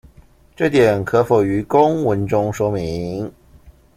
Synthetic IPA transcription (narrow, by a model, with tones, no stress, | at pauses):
ʈ͡ʂɤ˥˩t̪jɛ˨˩nkʰɤ˧˥fo˨˩y˧˥kʊ˥ŋwə˧˥nʈ͡ʂʊ˥ŋʂwɔ˥mi˧˥˦ŋ